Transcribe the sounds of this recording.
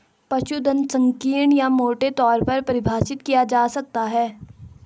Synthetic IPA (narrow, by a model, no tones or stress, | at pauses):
pɐʃud̪ə̃nsɐ̃ŋkiːɾɳjamoːʈet̪ɔːɾpɐɾpɐɾɪbʱaːʃɪt̪kijad͡ʒaːsɐk̚t̪aɦɛː